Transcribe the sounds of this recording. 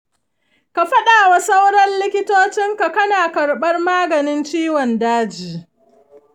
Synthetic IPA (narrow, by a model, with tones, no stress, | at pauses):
ka˨ɸɐ˦ɗaː˨wa˨sɐ˦wɽɐ˦nlɪ˦kʲɪ˦toː˦t͡ʃɪ˦ŋka˨kɐ˦naː˨kɐ˨ɾɓɐ˦rmaː˦ɡɐ˨nɪ˦nt͡ʃiː˦wɔ˨ndaː˦d͡ʒiː˨